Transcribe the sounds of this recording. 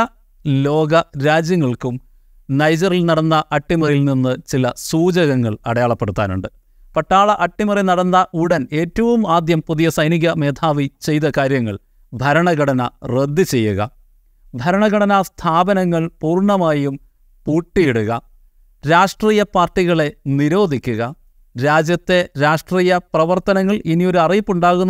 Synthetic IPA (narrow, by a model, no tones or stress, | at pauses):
ɐ | lo̞ːɡɐɾaːd͡ʑjɐŋːɐɭkum | nɐjd͡ʑɐrilnɐɽɐnːɐʔɐʈːimɐrjilninːɨt͡ɕilɐsuːd͡ʑɐɣɐŋːɐɭɐɽɐjaːɭɐpːe̞ɽut̪ːaːnṵɳɖɨ | pɐʈːaːɭɐʔɐʈːimɐrinɐɽɐnːɐʔuɽɐne̞ːtːɐʋumaːd̪jɐmpuðijɐsɐjniɣɐme̞ːd̪ʱaːʋit͡ɕe̞jt̪ɐkaːɾjɐŋːɐɭ | d̪ʱɐɾɐɳɐɡɐɽɐnɐred̪ːɨt͡ɕe̞jːuɣɐ̰ | d̪ʱɐɾɐɳɐɡɐɽɐnɐst̪ʰaːbɐnɐŋːɐɭpuːrɳɐmaːjum | puːʈːijeɽuɣɐ | ɾaːʂʈriːjɐpaːrʈːiɣɐɭe̞niɾo̞ːd̪ʱikʲːuɣɐ | ɾaːd͡ʑjɐt̪ːe̞ɾaːʂʈriːjɐprɐʋɐrt̪ɐnɐŋːɐɭʔinio̞ɾuɐrijpːuɳɖaːɣunː